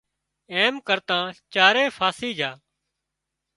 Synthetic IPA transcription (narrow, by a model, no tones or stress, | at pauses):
eːmkəɾt̪ãːt͡ʃaːɾeːfʰaːsiːd͡ʒʱaː